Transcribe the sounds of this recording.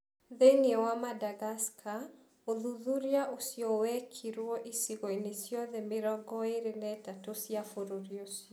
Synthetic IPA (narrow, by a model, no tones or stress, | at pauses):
ðeniɔwamadaɣaskʰa | oðuðuɾiaʔosiɔwɛkʰiɾwɔʔisiɣɔinesjɔðɛmɪɾɔɡɔeɾenɛtatosjafoɾoɾiosiɔ